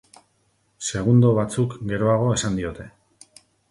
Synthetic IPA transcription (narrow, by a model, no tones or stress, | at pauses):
se̞ɣ̞und̪o̞βat͡sukɡe̞ɾo̞aɣ̞o̞e̞sand̪io̞t̪e̞